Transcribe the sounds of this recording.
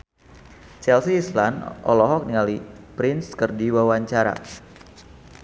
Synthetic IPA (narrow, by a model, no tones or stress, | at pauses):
t͡ʃɛlsiːslanʔɔ̰lɔɦɔk̚niŋalipɾɪnskərdiwawaɲt͡ʃaɾa̰